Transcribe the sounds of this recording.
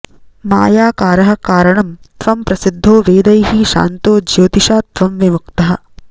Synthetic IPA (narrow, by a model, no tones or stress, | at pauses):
ma̰ːjaːkaːɾɐɦɐ̆kaːɾɐɳɐmt̪ʋɐmpɾɐsid̪ʱːoːʋeːd̪ɐjɦiʃa̰ːnt̪oːd͡ʒjoːt̪iʃaːt̪ʋɐmʋimukt̪ɐɦɐ̆